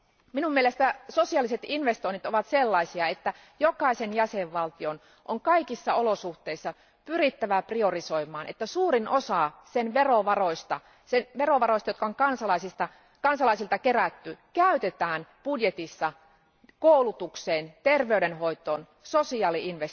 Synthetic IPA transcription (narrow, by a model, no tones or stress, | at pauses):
minumielest̪æso̞siɑːlːise̞t̪inʋe̞st̪oinit̪oʋɑt̪selːɑisiɑet̪ːæ | jokɑisenjæseʋʋɑlt̪ion | ʔoŋkɑikisːɑolo̞suht̪e̞isːɑ | pyrit̪ːæʋæprio̞riso̞imˑɑːnʔḛt̪ːæsuːrinʔosɑsenʋeroʋɑroist̪ɑ | senʋeroʋɑɾroist̪ɑjot̪̚kɑoŋkɑnsɑlɑisist̪ɑ | kɑnsɑlɑˑisilt̪ɑkeræt̪ːykæyt̪et̪æːnpudjet̪isːɑ | koulut̪ukseːnt̪erʋeydenɦo̞it̪oːn | sosiɑːliinʋes